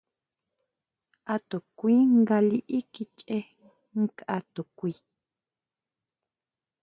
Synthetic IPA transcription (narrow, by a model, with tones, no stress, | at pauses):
a˧t̪o˨kʷi˦ŋɡa˧li˦ʔi˦ki˧t͡ʃʼe˦ | ŋ̩˦ka˧t̪o˨kʷi˧